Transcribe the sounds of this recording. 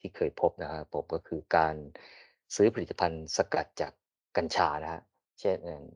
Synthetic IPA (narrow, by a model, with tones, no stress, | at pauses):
t̪ʰiː˥˩kʰɤː˧jpʰo˦˥p̚na˦˥kʰa˦˥pʰo˨˦˥p̚kɔː˥˩kʰɯː˧kaː˧n | sɯː˦˥pʰa˧ɾi˨˩t̪ːa˧pʰa˧nsa˧ka˨˩t̪̚t͡ɕaː˨˩k̚ː | a˧nt͡ɕʰaː˧na˦˥kʰa˦˥ʔ | t͡ɕʰe˥˩nʔa˨˩n